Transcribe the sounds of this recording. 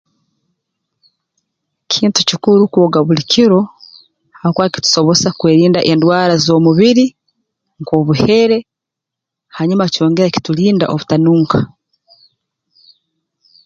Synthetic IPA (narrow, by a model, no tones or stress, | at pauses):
cʰiːntucikuɾukoːɡaβulicʰiɾo̞ | hakwaːki̥tu̥so̞βo̞sakweːɾiːndaʔendwaːɾazo̞ːmuβiɾi | ŋko̞βuhe̞ɾe̞ | haɲumaco̞ːŋɡe̞ɾaci̥tuliːnda̰ʔoβutanuːŋkḁ